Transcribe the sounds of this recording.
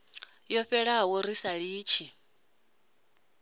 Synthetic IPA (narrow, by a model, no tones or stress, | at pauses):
jɔɸɛɺawɔɾisaɺiːt͡ʃʰi